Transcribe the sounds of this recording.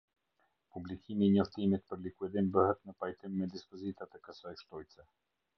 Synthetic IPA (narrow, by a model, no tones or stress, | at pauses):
publikʰimiːɲɔft̪imit̪pəɾlikuɛd̪imbəhɛt̪nəpajt̪imːɛd̪ispɔzit̪at̪ɛkəsajʃt̪ɔjsɛ